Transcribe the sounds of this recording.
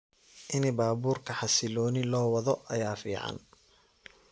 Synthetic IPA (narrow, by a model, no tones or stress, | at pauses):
ʔɪnɪbaːbuːrkʰɐħɑsɪlɔːnɪlɔːwɐðɔʔɐjaːfḭːʕɑ̰n